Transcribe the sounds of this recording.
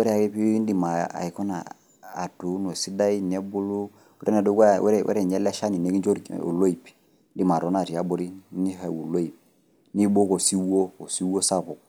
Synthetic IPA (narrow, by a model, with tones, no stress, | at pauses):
wɛ˦ɾɛ˦˨a˨ki˦pi˦n˦di˨ma˨a̰˨i˨kɔ˦na̰˨ | a̰˨tu˨˦no˨si˦da˦i˦n˨ɛ˦bʊ˦lu˦ | u˦ɾe˦na˨do˦ka˦˨wɛ̰˦ɾɛ˨wɛ̰˦ɾɛ˦˨ɲɛ˦lɛ˦ʃa˦ni˨ne˨˦ki˦nd͡ʒo˦ɾṵ˨lo˦i˨p | n˦di˨ma˨ɾɔ˨˦na˨ti˨a˦bʊ˦ɾi˦ni˦ha˨wu˨lo˦i˨p | ni˦bo˦ko˨si˦wo˦o˨si˦wo˦sa˦pʊ˨k̚